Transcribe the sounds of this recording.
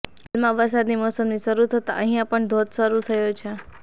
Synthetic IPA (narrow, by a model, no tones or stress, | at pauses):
almãʋəɾsad̪nimɔsəmniʃəɾut̪ʰət̪a̰ʔə̃ɦijãpəɳd̪ʱod̪ʃəɾut̪ʰəjot͡ʃʰe